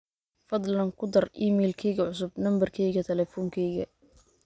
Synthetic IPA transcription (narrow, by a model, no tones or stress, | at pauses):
fɐd̪ˤlɐŋkʰʊd̪ɐriːmɛːlkʰɛjɣɐʕʊs̬ʊbnɐmbɐrkʰɛjɣɐt̪ʰɛlɛːfɔŋkʰɛjɣɐ